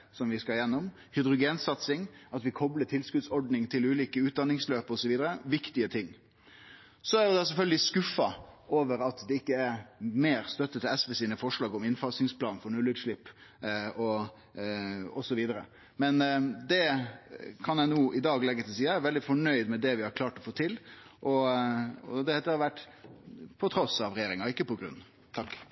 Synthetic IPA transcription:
sɔmʋɪskɑljɛnːɔm | hʏd̪ɾʊɡeːnsɑt̪sɪŋɑt̪ʋɪkʰɔbləʈʰɪlskʉd̪sɔɖnɪŋt̪ʰɪlʉːliːkəʉːt̪d̪ɑnːɪŋsløːpəɔsɔʋiːd̪əɾəʋɪkt̪ɪət̪ʰɪŋː | sɔæɾjʊd̪ɑsɛlfœlɡəlɪskʉfɑʔoːʋəɾɑt̪d̪ɛɪkːəæɾmeːɾst̪œt̪ːət̪ʰɪɛsʋɛsiːnəfɔʂlɑːɡɔmɪnfɑsnɪŋspʰlɑːnfɔɾɳʉlːɪt̪ʂɭɪpː | ɔ | ɔsɔʋiːd̪əɾə̰ | mɛnd̪ɛ | kʰɑnjæɪnuːʔɪd̪ɑːɡlɛɡːət̪ʰɪlsiːɑæʋɛld̪ɪfɔɳœʏd̪mɛd̪ɛʋɪhɑɾkʰlɑːʈɔfoːt̪ʰɪlʔɔ | ɔd̪ɛd̪ɛhɑʋæʈː | pʰɔt̪ʰɾɔsɑʋɾɛjeːɾɪŋɑɪkːəpɔɡɾʉ̰n | t̪ʰɑkː

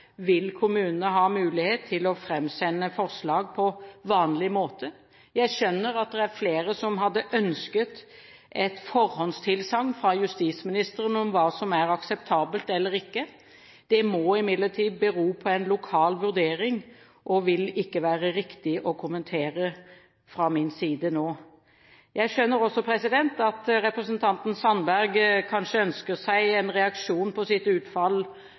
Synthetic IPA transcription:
ʋɪlkʰʊmʉːnənəɦɑːmʉːlɪheːt̪ʰːɪlɔfɾɛmsɛnːəfɔɾslɑːɡ̚pʰɔʋɑːnlɪmoːt̪ʰə | jæɪʃœnːəɾɑt̪̚d̪ɛæɾfleːɾəsɔmɦɑd̪ːəʔœnskət̪ | ʔɛt̪fɔɾhɔnst̪ʰɪlsɑŋːfʁɑjʉst̪iːsmɪnɪst̪əɾənəɔmʋɑːsɔmæɾɑksɛp̚t̪ʰɑːbəlt̪ɛlːəɾɪkːə | d̪̥ɛmɔɪmɪd̪ləʈʰiːd̪̚bəɾuːpʰɔɛɪnlʊkʰɑːlʋʉʁd̪eːɾɪŋ | ʔɔʋɪlɪkːəʋæːʁəɾɪkt̪ɪʔɔkʰʊmənt̪ʰeːɾə | fɾɑmɪnsiːd̪ənoː | jæɪʃœnːəɾɔsːɔpʰɾɛsɪd̪ɛnt̪ɑt̪ɾɛpɾɛsənt̪ʰɑnt̪n̩sɑnbæʁɡkʰɑnʂəœnskəsæɪɛnʁɛɑkʂuːnpʰɔsɪt̪ʉːt̪fɑl

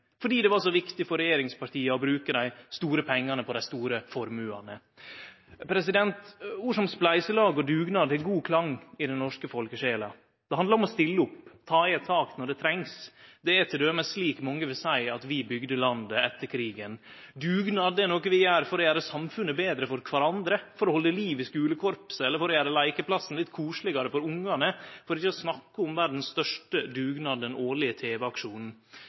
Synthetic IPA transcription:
fɔɖiːd̪ɛʋɑʂɔʋɪkt̪ɪfɔɾɛjeːɾɪŋspɑɾʈʰiːɑɔbɾʉːkəd̪æɪst̪uːɾəpʰɛŋːɑnəpʰɔd̪æɪst̪uːɾəfɔɾmʉːɑ̰nə̰ | pʰɾɛsɪd̪ɛnt̪ʋʊʂɔmsplæɪsəlɑːɡɔd̪ʉːɡnɑːd̪ʰɛɡuːkʰlɑŋɪd̪ɛnnɔʂkəfɔlkəʂeːlɑ̰ | d̪̥ɛhɑnd̪ləɾɔmɔst̪ɪlːəʊpt̪ʰɑːɛt̪ʰɑːknɔɖɛt̪ʰɾɛŋsd̪ɛɛt̪ʰɪld̪øːməsliːkmɔŋːəʋɪlsæɪɑt̪ʋɪbʏɡd̪əlɑnd̪əɛt̪ːəɾkʰɾiːɡən | d̪ʉːɡnɑːd̪ɛnoːkəʋɪjæːɾfɔɾɔjæːɾəsɑmfʉnːəbeːd̪ɾəfɔɾkʰʋɑɾɑnd̪ɾəfɔɾɔhɔlːəliːʋɪskʉːləkʰɔɾpsɛlːəɾfɔɾɔjæːɾəlæɪkəpʰlɑsn̩lɪt̪ːkʰuːʂlɪɡɑɾəfɔɾʊŋːɑnəfɔɾɪçːəɔsnɑkːəʊmʋæɾɖ̪n̩sst̪œʂʈəd̪ʉːɡnɑd̪əd̪ɛnoːɭɪət̪ʰeːʋəɑkʂuːnn̩

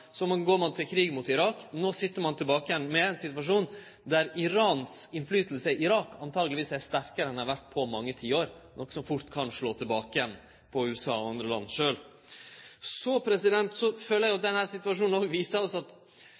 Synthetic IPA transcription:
sɔmɑɡoːɾmɑnt̪ʰɪlkʰɾiːɡmut̪ɪɾɑːknoːsɪt̪ːəɾmɑnt̪ʰɪlbɑːkəjɛnmɛæɛnsɪt̪ʋɑʂuːn | d̪æɾɪɾɑːnsɪnflyːt̪əl̩səɪʔɪɾɑːkɑnt̪ʰɑːɡlɪʋiːsæʂt̪æɾkəɾəɛnhɑɾʋæʈ̚ːpʰɔmɑŋːət̪ʰiːoːɾnɔkːsɔmfʊɾʈ̪kʰɑnʂɭoːt̪ʰɪlbɑːkəjɛnː | pʰɔʉːɛsɑ̰ːɔɑnd̪ɾəlɑ̰nːʂøːl | sɔpʰɾɛsɪd̪ɛnt̪sɔføːləæɾjʊd̪ɛnhæːɾsɪt̪ʋɑʂuːnɔːɡʋiːsəɾɔsɑt̪

